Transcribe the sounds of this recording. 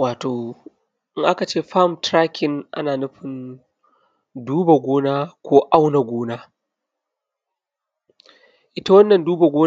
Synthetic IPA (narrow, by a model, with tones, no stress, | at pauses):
waː˨toː˨ | ʔɪ˦ŋʔa˦ka˨t͡ʃeː˦˨ɸa˦˨mtɾa˦kʰʲɪ˨ŋʔa̰˦naː˨nɐ˦ɸɪ˨n | duː˦ba˨ɡʷoː˦naː˦kʷoː˦ʔa˦wna˨ɡʷoː˦naː˦ | ʔɪ˦ta˦wɐ˦nːɐ˨nduː˦ba˨ɡʷoː˦